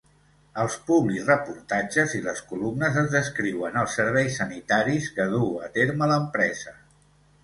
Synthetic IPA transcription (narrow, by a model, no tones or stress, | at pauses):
əlˠspuβlizrəpuɾt̪ad͡ʒəziləskulumnəzəzðəskɾiwənəlˠsːəɾβ̞ɛjsːənit̪aɾiskəð̞uət̪eɾmələmpɾɛz̥ə